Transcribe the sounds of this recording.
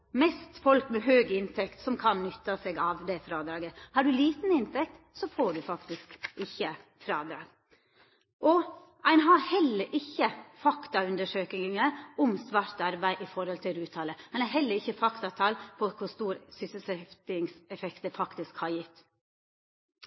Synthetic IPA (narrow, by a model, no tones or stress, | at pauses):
mɛst̪fɔlkmɛɦøːɡɪnt̪ʰɛkt̪sɔmkʰɑnnʏt̪ːɑsɛɡɑʋd̪ɛfɾɑːd̪ɾɑːɡəhɑɖʉliːt̪n̩ɪnt̪ʰɛk̚t̪ | sɔfoːɖʉfɑkt̪ɪskʔɪçːəfɾɑːd̪ɾɑ̰ːɡ | ʔɔ | æɪnɦɑɾhɛlːəɾʔɪçːəfɑkt̪ɑʉnd̪əʂøːkɪŋəʊmsʋɑɾt̪ɑɾbæɪʔɪfɔɾhɔlt̪ʰɪlɾʉːt̪ʰɑːləænæɪɦɛlːəɾɪçːəfɑkt̪ɑt̪ʰɑlpʰɔkʰʊst̪uːɾsʏsəsɛft̪ɪŋsɛfɛkt̪əfɑkt̪ɪskhɑɾjɪt̪ː